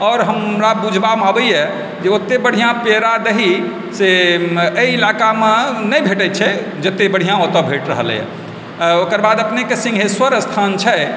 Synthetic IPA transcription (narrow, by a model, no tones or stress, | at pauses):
ɔːɾɦəmɾabud͡ʒʱbameabəjjɛ | d͡ʒeot̪ːebəɽ̤ijãpeɾad̪eɦi | seəiilakamenəjbʱeʈət̪t͡ʃʰɛ | d͡ʒət̪ːebəɽ̤ijãot̪əbʱeʈɾəɦəljɛ̰ | okəɾbad̪əpnekesĩŋɡʱɦeswəɾəst̪ʰant͡ʃʰɛ